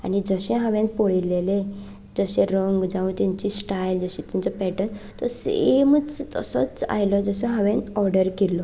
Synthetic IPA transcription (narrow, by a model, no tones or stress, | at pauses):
a̰nid͡zəɕẽɦãʋẽnpoɽilele | d͡zəɕẽɾəŋɡd͡zãũt̪ɛ̃ɲt͡ɕisʈajld͡zəɕɛ̃t̪ɛ̃ɲt͡səpɛʈənt̪ɔseemət͡st̪ə̰sə̰t͡sa̰jlɔd͡zəseɦãʋẽnɔɾɖəɾkelːɔ